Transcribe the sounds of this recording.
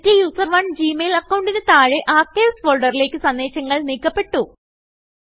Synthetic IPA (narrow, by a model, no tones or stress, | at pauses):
tːijuːsɐrʋɐɳd͡ʑiːmelɐkːɐwɳɖinɨt̪aːɻeʔaːkːeːʋsfoːɭɖɐrile̞ːkːɨsɐnːeːɕɐŋːɐɭniːkːɐpːe̞ʈːu